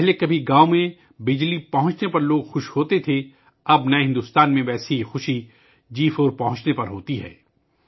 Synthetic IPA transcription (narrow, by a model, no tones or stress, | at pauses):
pɛɦlekɐbʱiɡaːomẽ | bɪd͡ʒlipɐɦʊ̃ɲt͡ʃnepɐɾloːɡxʊʃhoːt̪et̪ʰe | ɐbnɐ̃ɦɪ̃nd̪ʊst̪aːnmẽʋɛːseixʊʃi | d͡ʒiːfoːɾpɐɦʊ̃ɲt͡ʃnepɐɾɦoːt̪iɦɛ̰ː